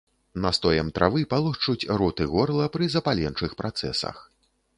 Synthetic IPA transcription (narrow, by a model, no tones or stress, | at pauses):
nɐst̪ɔjɐmt̪ɾʔa̰vɨpalˠuxt͡ʂut͡sʲɾɔt̪ɨɣɔrlˠɐpɾɨzɐpalʲɛnt͡ʂɨxpɾat̪sɛ̰sɐ̰x